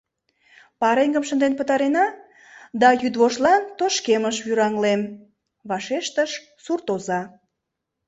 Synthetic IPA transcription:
pɑɾeŋɡəmʃənd̪enpət̪ɑɾenɑ | d̪ɑjyd̪βoʃlɑnt̪oʃkeməʃβyɾɑŋlem | βɑʃeʃt̪əʃ | surt̪ozɑ

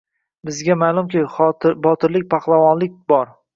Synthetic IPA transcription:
bɪzɡʲamaːlˠʊmkʲɪbɒt̪ʰɪɾlɪk̚ʲpʰɑχlˠavɒnlɪk̚ʲbɒɾ

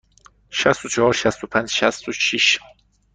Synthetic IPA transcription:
ʃæst̪ut͡ʃʰɔhɔɾʃæst̪upʰænd͡ʒʃæst̪uʃiʃ

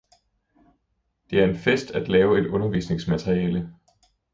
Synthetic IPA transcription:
d̥e̝æɐe̝nfesd̥æd̥lɛːʊe̝d̥ɔ̽nɐʋḭːsne̝ŋsmæt͡sʰʁiɛːlə

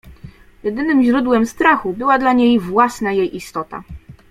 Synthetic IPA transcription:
jɛd̪ɘnɘmʑɾud̪wɛmst̪ɾaxubɘwad̪laɲejvwasnajejʔist̪ɔt̪a̰

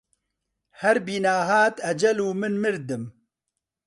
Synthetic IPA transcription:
hɛɾbiːnaːɦaːt̪ɐd͡ʒɐluːmɨnmɨɾd̪ɨm

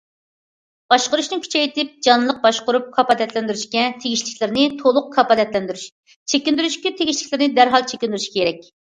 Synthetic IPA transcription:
b̥ɑʃqəɾuʃnɨkʲʰy̥t͡ʃʰɛit̪ʰɪp̚d͡ʒɑnlˠəq̚bɑʃqʊɾup̚kʰɑpɑd̪ɛt̪lɛnd̪yɾyʃkʲɛt̪ʰeɡʲiʃlɪkʲlɪɾnɪt̪ʰolˠʊqkʰɑpɑd̪ɛt̪lɛnd̪yɾyʃ | t͡ʃʰekʲind̪yɾyʃkʲit̪ʰeɡʲiʃlʲɪkʲlɪɾnɪd̪æɾɦɑlˠt͡ʃʰekʲind̪yɾyʃkʲʰeɾɛk̚ʲ

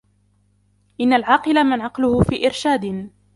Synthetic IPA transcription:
ʔɪnːalʕɑːqɨlamanʕɑqlʊhʊfiːʔɪɾʃaːd̪

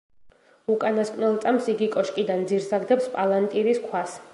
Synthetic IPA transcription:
ukʼanaskʼnɛlˠt̪sʼamsiɡikʼɔʃkʼid̪and̪ziɾsaɡd̪ɛpspʼalˠant̪ʼiɾiskʰwas

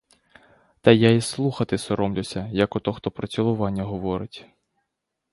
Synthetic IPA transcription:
t̪ɐjaislˠuxɐt̪ɪsɔɾɔmlʲʊsʲɐjɐkɔt̪ɔxt̪ɔpɾɔt͡sʲilˠʊʋɑnʲːɐɦɔʋɔɾɪtʲ

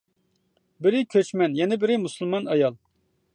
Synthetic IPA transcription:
bɪɾɪkʲʰøt͡ʃmɛnjɛnɪbɪɾɪmusɨlˠmɑnɑjɑlˠ

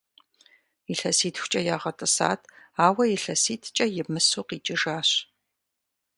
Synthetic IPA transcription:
iɬɐsiːtʰxʷʊ̥t͡ʃʼɐjaːʁɐtʼɨsa̰ːtʰaːwɐjɪɬɐsiːtʰt͡ʃʼɐjɪmɨsuːqiːt͡ʃʼɪʒaːɕ

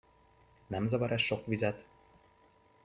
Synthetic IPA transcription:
nɛmzɒvɒɾɛʃʃo̞kʋizɛt̪

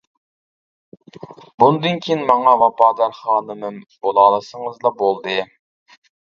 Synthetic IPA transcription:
bund̪ɨnkʲʰeinmɑŋɑvɑpɑːd̪ɑɾχɑːnɨmɨmbolˠɑːlˠɨsəŋɨzlˠɑbolˠd̪ɨ

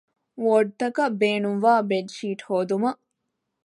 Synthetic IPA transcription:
ʋoːɖ̚t̪ɐkɐbeːnumʋaːbeɖʃiːʈhoːd̪umɐ

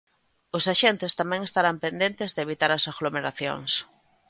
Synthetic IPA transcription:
ʊsaʃent̪ɪst̪amɛ̃ŋest̪aɾampend̪ent̪ɪzðeeβ̞it̪aɾɐsaɣlomeɾaθjo̰ŋs

